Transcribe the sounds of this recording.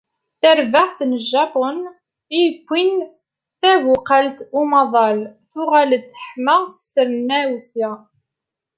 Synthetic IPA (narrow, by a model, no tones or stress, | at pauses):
θəɾvaʁθnəʒːɑpon | ijkʷːin | θævʊqalt̪umɑðˤɑlθʊʁælθə̥ħməʁst̪əɾmːæwθæ